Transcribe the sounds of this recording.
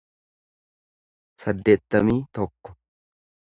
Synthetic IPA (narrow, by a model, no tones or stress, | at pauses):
sɐd̪ːe̞ːt̪ːɐmiːt̪ɔkːɔ̥